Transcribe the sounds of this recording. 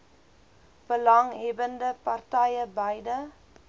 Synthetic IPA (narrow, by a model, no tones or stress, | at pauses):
b̥əlɐŋɦɛbəndəpɐrtɐjəbɐjdə